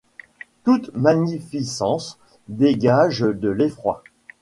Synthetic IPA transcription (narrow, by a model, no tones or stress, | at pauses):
t̪ut̪maɲifisɑ̃s | d̪eɡaʒd̪əlefχwa̰